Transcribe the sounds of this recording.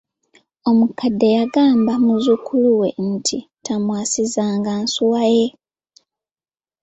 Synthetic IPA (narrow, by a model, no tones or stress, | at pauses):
o̞mukadːe̞jaɡaːmbamuzukʰuluwe̞n̩tʰitʰamwaːsizaːŋɡansuwaje̞